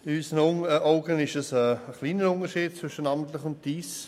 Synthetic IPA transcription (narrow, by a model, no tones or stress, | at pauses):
ɪyːsənʊəʔoʊɡənɪʃəsəəχliːnəʊnəʃiːd̚t͡sv̥ʏʃənɑːmənt̪lɪχʊnt̚d̥iːs